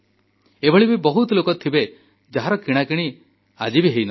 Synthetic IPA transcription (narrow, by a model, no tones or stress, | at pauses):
ebʱɔɭibibɔɦut̪ɔlokɔt̪ʰibe | d͡ʒaɦaɾɔkiɽ̃akiɽ̃i | ad͡ʒibiɦejnɔ